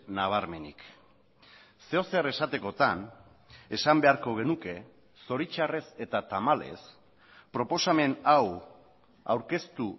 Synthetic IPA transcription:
naβ̞aɾme̞nḭk | se̞o̞se̞re̞sat̪e̞ko̞t̪an | e̞sambe̞aɾko̞ɣ̞e̞nuke̞ | so̞ɾit͡ʃare̞se̞t̪at̪amale̞̰s | pɾo̞po̞same̞naw | a̰wɾke̞st̪u

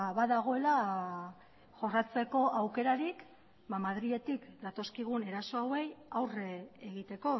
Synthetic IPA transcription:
βaðaɣ̞o̞e̞la | ʝo̞rat͡se̞ko̞ʔawke̞ɾaɾik | bamaðɾie̞t̪ikd̪at̪o̞skiɣ̞une̞ɾaso̞awe̞jawreeɣit̪e̞ko̞

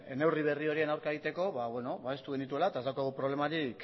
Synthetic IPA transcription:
ene̞wriβ̞e̞rio̞ɾienawɾkaeɣit̪e̞ko̞βaβweno̞βae̞st̪uɣ̞e̞nit̪ue̞laet̪aezd̪awkaɣupɾo̞β̞le̞maɾik

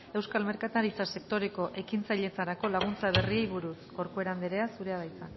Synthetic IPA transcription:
e̞wskalme̞ɾkat̪aɾit͡sase̞kt̪o̞ɾe̞ko̞ʔe̞kint͡sajʎe̞t͡saɾako̞laɣ̞unt͡saβ̞e̞riejβuɾusɡo̞ɾkoe̞ɾand̪eɾe̞asuɾe̞aβajt͡san

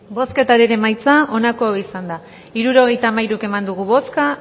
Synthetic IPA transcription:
bo̞ske̞t̪aɾeɾemajt͡saʔo̞nakoaβisand̪a | iɾuɾo̞ɣ̞e̞jt̪aːmajɾuke̞mand̪uɣuβo̞ska

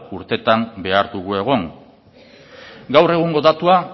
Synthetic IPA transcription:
uɾt̪e̞t̪ambe̞aɾd̪uɣ̞ue̞ɣ̞o̞ŋ | ɡawre̞ɣ̞uŋɡo̞ðat̪ua

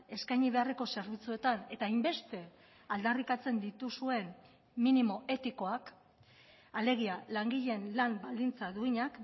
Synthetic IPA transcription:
e̞skajɲiβe̞are̞ko̞se̞ɾβit͡sue̞t̪ane̞t̪aːjmbe̞st̪e̞ | ald̪arikat͡se̞nd̪it̪usue̞n | minimo̞ʔe̞t̪iko̞ak | ale̞ɣ̞ialaŋɡiʎe̞nlambald̪int͡saðuiɲak

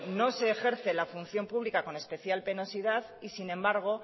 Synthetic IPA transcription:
no̞se̞ːxe̞ɾθe̞lafunθjo̞mpuβlikako̞ne̞spe̞θjalpe̞no̞sið̞að | isinẽ̞mbaɾɣ̞o̞

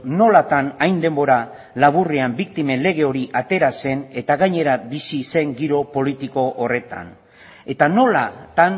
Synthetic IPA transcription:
no̞lat̪anajnd̪e̞mbo̞ɾa | laβ̞uriambik̚t̪ime̞nle̞ɣ̞e̞o̞ɾiʔat̪e̞ɾase̞ne̞t̪aɣajɲe̞ɾabisise̞ŋɡiɾo̞po̞lit̪iko̞ʔːre̞t̪a̰n | e̞t̪ano̞lat̪an

